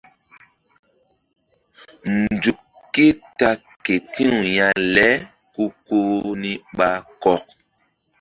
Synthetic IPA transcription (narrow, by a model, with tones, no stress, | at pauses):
n˨d͡ʒu˨k | kːe˦ta˦ | ke˨tĩ˦u˨jã˨lɛ˦ | ku˦ko˦ni˦ɓa˦kɔ˦k̚